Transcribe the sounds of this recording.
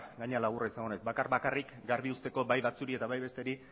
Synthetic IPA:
ɡaɲealaɣ̞uraisaŋonezbakarβakarʔikɡaɾβiust̪e̞ko̞bajβat͡suɾie̞t̪aβajβe̞st̪e̞ɾi

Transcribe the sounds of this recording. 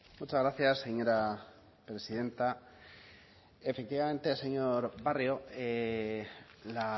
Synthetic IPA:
mut͡ʃazɣɾaθjasːeɲo̞ɾa | pɾe̞siðe̞nt̪a | e̞fe̞kt̪iβame̞nt̪e̞seɲo̞ɾβario̞e | la

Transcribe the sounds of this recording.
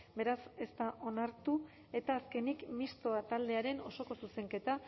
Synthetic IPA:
be̞ɾase̞st̪aʔo̞naɾt̪u | e̞t̪aːske̞nikmist̪oat̪ald̪e̞aɾe̞no̞so̞ko̞suse̞ŋke̞t̪a

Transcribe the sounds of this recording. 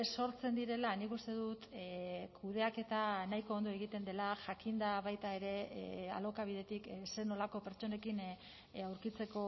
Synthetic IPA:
so̞ɾt͡se̞nd̪iɾe̞lanikust̪e̞ðut̪kʰuðe̞ake̞t̪anajko̞ːnd̪o̞e̞ɣ̞it̪e̞nd̪e̞laʝakind̪aβ̞ajt̪ae̞ɾe̞a̰lo̞kaβiðe̞t̪ikse̞no̞lako̞pe̞ɾt͡ʃo̞ne̞kin | awɾkit͡se̞ko̞

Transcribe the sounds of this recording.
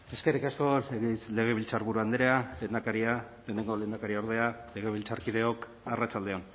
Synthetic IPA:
e̞skerikasko̞le̞ɣ̞e̞βilt͡saɾβuɾuand̪eɾealeːnd̪akaɾia | le̞ːne̞ŋɡo̞le̞ːnd̪akaɾioɾð̞e̞ale̞ɣ̞e̞βilt͡saɾkið̞e̞o̞k | arat͡sald̪e̞o̞n

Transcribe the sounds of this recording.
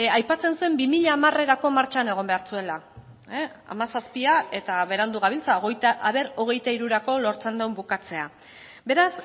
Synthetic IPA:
ajpat͡se̞nsue̞mbimiʎaːmare̞ɾako̞maɾt͡ʃane̞ɣ̞o̞mbe̞aɾt͡sue̞la | a̰masaspiae̞t̪aβe̞ɾand̪uɣ̞aβ̞ilt͡saoɣejt̪aʔaβe̞ɾo̞ɣ̞e̞jt̪aiɾuɾako̞lo̞ɾt͡se̞nd̪embukat͡se̞a | be̞ɾas

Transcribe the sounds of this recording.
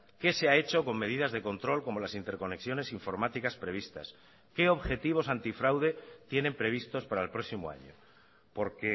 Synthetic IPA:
ke̞se̞ae̞t͡ʃo̞ko̞ŋme̞ðiðazðe̞ko̞nt̪ɾo̞lko̞mo̞lasint̪e̞ɾko̞ne̞ksjo̞ne̞siɱfo̞ɾmat̪ikaspɾe̞β̞ist̪a̰s | ke̞o̞βxe̞t̪iβ̞o̞sant̪ifɾawðe̞t̪je̞nẽ̞mpɾe̞β̞ist̪o̞spaɾaelpɾo̞simoa̰ɲo̰ | po̞ɾke̞

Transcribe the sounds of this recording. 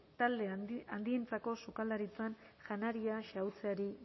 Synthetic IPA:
t̪ald̪e̞and̪ient͡sako̞sukald̪aɾit͡sanʝanaɾiaʃawt͡seaɾi

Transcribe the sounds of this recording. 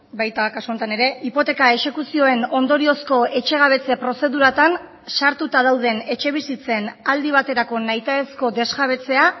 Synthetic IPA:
bajt̪akasuo̞nt̪ane̞ɾe̞ipo̞t̪e̞kae̞ʃe̞kusio̞e̞no̞nd̪o̞ɾio̞sko̞e̞t͡ʃe̞ɣ̞aβ̞e̞t͡se̞pɾo̞se̞ðuɾat̪an | saɾt̪ut̪að̞awð̞e̞ne̞t͡ʃe̞β̞isit͡se̞nald̪iβ̞at̪e̞ɾako̞najt̪aesko̞d̪e̞zɣaβ̞e̞t͡se̞a

